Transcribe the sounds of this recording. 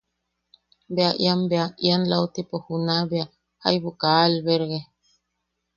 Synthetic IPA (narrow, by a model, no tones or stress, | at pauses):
beaʔj̰ambeaʔjanlawt̪ipohunabea | ha̰jbukalbeɾɣe